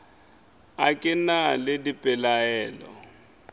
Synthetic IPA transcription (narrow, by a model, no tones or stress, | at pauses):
akʼɪnaledipʼɛlaɛːlɔ̰